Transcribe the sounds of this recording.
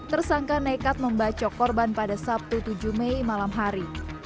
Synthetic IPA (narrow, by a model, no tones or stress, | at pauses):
t̪ərsaŋkanekat̪̚məmbat͡ʃakɔrbanpadasap̚t̪ut̪ud͡ʒumejmalamɦaɾi